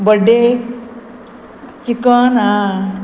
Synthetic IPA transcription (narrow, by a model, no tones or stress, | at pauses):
bəɖe | t͡ʃikəna